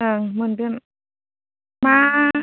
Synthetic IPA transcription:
ɯŋmɯndɯn | ma

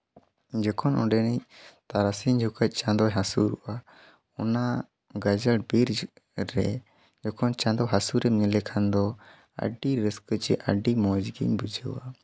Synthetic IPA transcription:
d͡ʒɔkʰɔnʔɔɖɛnit̪aɾasiɲd͡ʒʱukəc̚ˀt͡ʃãd̪ɔɦasuɾṵʔa | ɔ̰na | ɡad͡ʒəbiɾ | ɾɛ̰ | d͡ʒɔkʰɔnt͡ʃãd̪ɔɦasuɾɛmnilɛkʰand̪ɔ | ə̰ɖiɾəskət͡ʃɛʔə̰ɖimɔd͡ʒɡḭɲbud͡ʒʱəwa

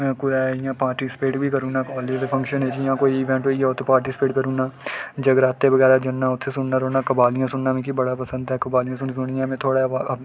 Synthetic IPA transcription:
kʊɾaːijãːpaːɾʈiːsɪ̥peːʈbʱiːkəɾũːnaːkɔːliːd͡ʒd̪epʰə̃ŋkʃəned͡ʒijãːkoːiɪːʋɛ̃ːɳʈɦoːijaːʊt̪ʰːpaːɾʈɪsɪ̥peːʈkəɾũːnaːd͡ʒəɡɾaːt̪ːebəɡɛːɾaːd͡ʒənːãːʊt̪ʰːesʊnnaːɾoːnaːkəbaːlijãːsʊnnamẽːkibəɽaːpəsə̃nd̪ɦɛːkəbaːlijãs̬ʊnisʊnijãmẽːt̪ʰoːɽa

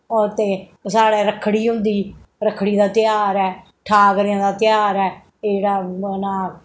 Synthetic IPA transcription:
ɔt̪eː | saːɽeːɾəkʰɽiːɦʊ̃nd̪iːɾəkʰɽiːd̪aːt̪ɪjaːɾɛː | ʈʰaːɡɾãːd̪aːt̪ɪjaːɾɛː | eɽaːnãː

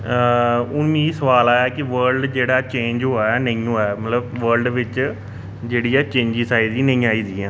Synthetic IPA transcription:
ʊnmiːsəʋaːlaːjaːkɪʋəɾlɖd͡ʒeːɽaːt͡ʃẽːɲd͡ʒɦoːaːnəĩːɦoːɛmət̪ləbʋəɾlɖʋɪt͡ʃ | d͡ʒeːɽiːaːt͡ʃẽːɲd͡ʒiːsaːiziːnə̃ĩːaːiːziːãː

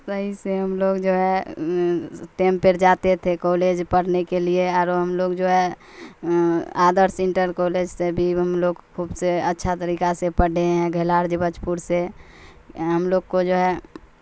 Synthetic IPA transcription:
səɦiseɦəmloɡd͡ʒoɦɛ | ʈempeɾd͡ʒat̪et̪ʰekoled͡ʒpəɽ̤nekelieaːɾoɦəmloɡd͡ʒoɦɛ | aːd̪əɾsẽɳʈəɾkoled͡ʒsebʱiɦəmloɡkʰubseətːʃʰat̪əɾikasepəɽeɦɛ̃ɡʱəlaɾd͡ʒibət͡ʃpuɾse | ɦəmloɡkod͡ʒoɦɛ

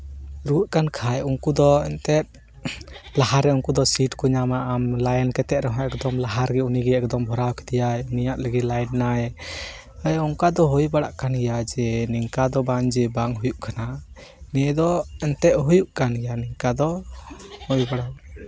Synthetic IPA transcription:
ɾuʔ̪̚kankʰajuŋkud̪ɔɛnt̪ɛt̪̚ | plahaɾːɛuŋkud̪ɔsiʈkɔɲamaʔamlajɛnkɛt̪ɛʔ̪ɾɛɦɔ̃ɛkd̪ɔmlaɦaɾɡɛuniɡɛɛk̚d̪ɔmbʱɔɾawkɛ̥d̪ijajnijaʔləɡit̪lajnnaɛ | əjuŋkad̪ɔɦɔjbaɽa̰ʔkanɡɛjad͡ʒɛniŋkad̪ɔbaŋd͡ʒɛbaŋɦujuʔkʰana | nɛd̪ɔɛnt̪ɛʔ̪̚ɦujuʔkanɡɛjaniŋkad̪ɔ | hɔjbaɽa

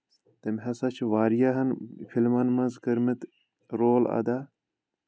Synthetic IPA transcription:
t̪ɐmʲɦɐsɐt͡ʃʰʋaːɾjaɦɐnfilmɐnmɐzkɐɾmit̪ | ɾoːlɐ̰d̪a

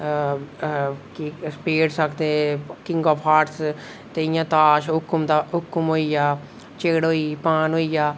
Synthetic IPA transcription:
kispeːɽsəkʰd̪ẽːkɪŋɡɔːpʰaːʈs | t̪eɪjãːt̪aːʃɦʊkːmd̪aɦʊkːəmɦoːijaː | t͡ʃeːɽɦoːiːpaːnɦoːijaː

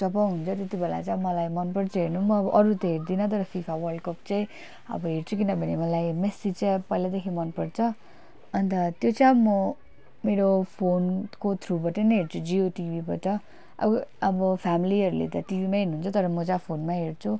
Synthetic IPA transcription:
t͡sʌpaɦunt͡sʰʌt̪et̪ibela̰t͡saj̃bmʌlajmʌnpʌɽt͡sʰʌɦeɾnumʌːbʌʔʌɾut̪ʌɦeɾd̪inʌt̪ʌɾʌpʰipʰawʌrɖkʌp̚t͡saĩ | ʌ̰bʌɦeɾt͡sʰukinʌbʱʌnemʌlajmesit͡sʌpʌilad̪ekʰimʌnpʌɽt͡sʰʌ | ʌnit̪ʌt̪jot͡sãjmʌ | meɾopʰonkot̪ʰrubʌʈʌjnʌɦeɾt͡sʰud͡zioʈibʱibʌʈʌ | ʔʌ̰bʌbʌpʰamiliɦʌɾulḛt̪ʌʈibimaɦernuɦunt͡sʰʌt̪ʌɾʌmʌt͡sãpʰonmaɦeɾt͡sʰu

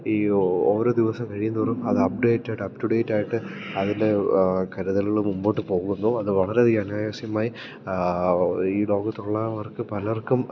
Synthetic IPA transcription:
iːoːɾoːd̪iʋɐsɐmkɐɻijunːupɐrumɐðɨɐp̚ɖejʈːɐːjiɖɐp̚ʈuɽeːʈːaːjiʈːɨɐðinde̞kɐɾuðɐlɣɐɭumumbo̞ːʈːɨpo̞ːɣunːoːɐðɨʋɐɭɐɾeiːɐnaːjasjɐmaːji | iːlo̞ːɣɐt̪ːuɭːɐɐʋɐrkɨpɐlɐʋɐrkːum

